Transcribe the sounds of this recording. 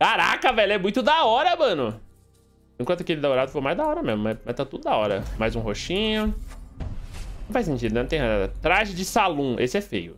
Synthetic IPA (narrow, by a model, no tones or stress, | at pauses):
kaɾa̰kɐvɛlɛmũj̃t̪ʊd̪aɔɾɐmɐ̃nʊ | ĩkwɐ̃nt̪ɐkelɪd̪aoɾad̪ʊfomajzd̪aɔɾɐmezmʊmamajst̪at̪ud̪ʊd̪aɔɾɐ̰majzũɦoʃĩɲʊ | nɐ̃w̃fajsẽnt͡ʃid̪ʊnɛnɐ̃t̪ẽj̃ɦaa̰t̪ɾaʒɪd͡ʒɪsalũʔesɪɛfḛjʊ̰